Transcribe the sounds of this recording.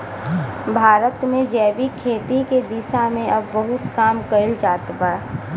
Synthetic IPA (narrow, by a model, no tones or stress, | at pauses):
bʱaːɾət̪mẽd͡ʒɛːbikʰeːt̪iked̪ɪsamẽɐbːɐɦʊt̪kaːmkɐɪld͡ʒaːt̪ba